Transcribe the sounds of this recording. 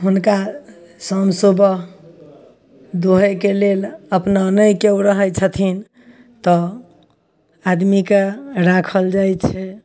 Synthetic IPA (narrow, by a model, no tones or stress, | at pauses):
ɦunka | səmsobəɦ | d̪oɦekeleləpnanəjkewɾəɦəjt͡ʃʰət̪ʰin | t̪ɔ | ad̪mikeɾakʰəld͡ʒajt͡ʃʰɛ